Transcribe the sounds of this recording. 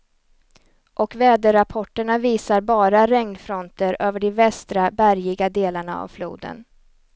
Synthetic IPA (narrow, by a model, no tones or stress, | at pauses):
ʔɔkvɛːd̪əɾapʰɔʈːəɳaviːsaɾbɑːɾaɾɛŋnfɾɔnt̪əɾøːvəɖɛvɛst̪ɾabæɾjɪɡad̪eːlaɳaa̰vflṵːd̪ə̰n